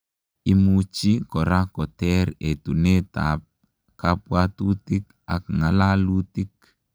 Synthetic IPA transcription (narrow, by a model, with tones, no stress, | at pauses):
i˦mut͡ʃi˦kɔ˨ɾa˦kɔ˨tɛ˦ɾe˨tu˨ne˦ta̰˨p̚ | kapwa˦tu˦ti˦k | a˨k̚ŋa˨la˦lu˦ti˦k̚